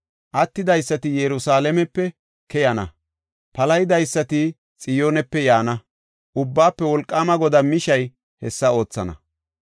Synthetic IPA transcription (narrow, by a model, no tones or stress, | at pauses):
ʔɐt̪ːɪd̪ɐjsːɐt̪ɪjɛɾʊsaːlɛmɛpːɛ | kɛjɐnɐ | pɐlɐjd̪ɐjsːɐt̪ɪ | t͡sʼɪjoːnɛpːɛjaːnɐ | ʔʊbːaːpːɛwɔlkʼːaːmɐɡɔd̪ɐmɪʃɐj | hɛsːɐo̞ːt͡sːɐ̰nɐ̰